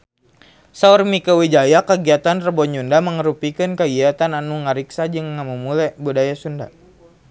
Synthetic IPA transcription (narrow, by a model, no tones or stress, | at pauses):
saurmikəwid͡ʒajakəɡiat̪anrəbɔɲundaməŋəɾupikɨnkəɡiat̪ananuŋaɾiksad͡ʒɨŋːamumulɛbudajasunda̰